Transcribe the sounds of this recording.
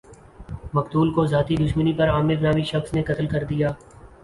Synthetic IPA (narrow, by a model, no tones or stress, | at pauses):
mɐk̚t̪uːlkozaːt̪id̪ʊʃmənipɐɾaːmebnaːʋiʃɐxsnẽkɐt̪əlkɐɾd̪ijaː